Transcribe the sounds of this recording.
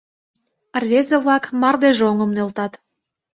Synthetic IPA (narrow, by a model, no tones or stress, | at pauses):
ərβʲezeβlɑkmɑrd̪eʒeoŋə̆mnølt̪ɑt̪